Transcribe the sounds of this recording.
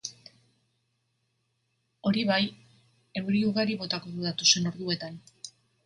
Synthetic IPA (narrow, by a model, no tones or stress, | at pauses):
o̞ɾiβaj | e̞wɾiuɣaɾiβo̞t̪ako̞ðuðat̪ose̞no̞ɾðue̞t̪an